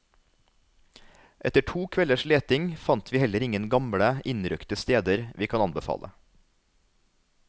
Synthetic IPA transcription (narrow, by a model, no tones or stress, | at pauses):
ʔɛt̪əʈʰuːkʰʋɛləʃleːt̪ɪŋfɑnt̪ʋiːhɛləɾɪŋənɡɑmɽəɪnɾʏkt̪əst̪eːd̪əɾʋʔiːkʰɑnɑnbəfɑ̰ːlʔə̰